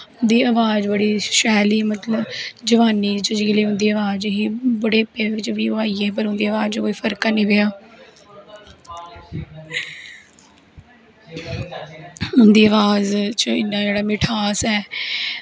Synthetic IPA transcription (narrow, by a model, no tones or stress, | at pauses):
ʊnd̪iːəʋaːd͡ʒbəɽiːʃɛːliːmət̪ləbd͡ʒəʋaːniːt͡ʃəd͡ʒɪkːliːʊ̃nd̪iːəʋaːd͡ʒɦiːbəɽeːəpːeːɪt͡ʃʋiːaːiːeːp̬əɾʊ̃nd̪iːəʋaːd͡ʒd͡ʒkoːiːpʰəɾkaːnĩːʋeaː | ʊnd̪iːəʋaːzt͡ʃəɪnːãːd͡ʒeːɽaːmɪʈʰaːsɛː